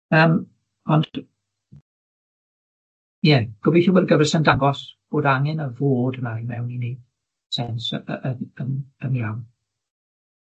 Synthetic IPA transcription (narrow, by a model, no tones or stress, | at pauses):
əːm | ɔnd | jɛɡ̥ʊbiθiwɔdɡəvɛrsəndaŋɡɔsb̥oːdaŋɛnəvoːdəmaimɛwnini | sɛnsʔənənənjawn